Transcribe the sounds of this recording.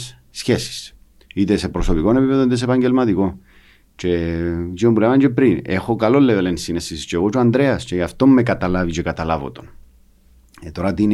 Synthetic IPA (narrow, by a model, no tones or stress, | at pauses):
s | sçesi̥s | it̪e̞se̞pɾoso̞piko̞ne̞pipeðonit̪es̬epɐɲɟelmɐt̪iko̞ | t͡ʃe̞ziombulemaɲt͡ʃe̞pɾine̞xo̞kalo̞lːevelensinesist͡ʃeɣo̞t͡ʃoand̪ɾe̞ɐst͡ʃe̞ʝɐft̪o̞mːekɐt̪ɐlavit͡ʃekat̪ɐlavo̰t̪o̞n | et̪oɾat̪in